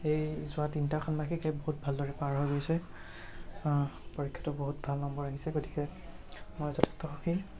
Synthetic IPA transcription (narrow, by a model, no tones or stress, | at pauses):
ejzʊatintakʰɔnmakikɛboɦut̚bʱaldɔɹɛpaɹɦojɡojsɛ | poɹikʰːɔ̥tɔboɦut̚bʱalnɔmbɔɹaɦisɛɡoti̥kɛ | mojzɔtʰɛ̥stɔxoki